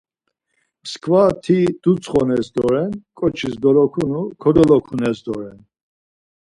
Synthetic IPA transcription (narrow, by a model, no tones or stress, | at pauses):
mskʰvat̪ʰid̪̥ut͡sʰχɔnɛsd̪ɔɾɛnkʼɔt͡ʃʰisd̪ɔɾɔkʰunukʰɔd̪ɔlɔkʰunɛsd̪ɔɾɛn